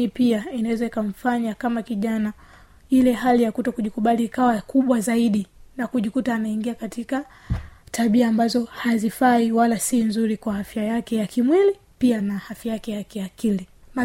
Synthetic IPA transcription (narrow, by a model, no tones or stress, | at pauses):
ipiainawɛzaikaɱ̩faɲakamakiʄana | ilɛɦalijakutɔkuʄikuɓaliːkawakuɓwazaiɗinakuʄikutaːnaiŋɡiakatika | tʰaɓiaːmbazɔhazifaiwalasinzuɾikwahafjajakɛjakimwili | pianahafjajakɛjakɛjakilima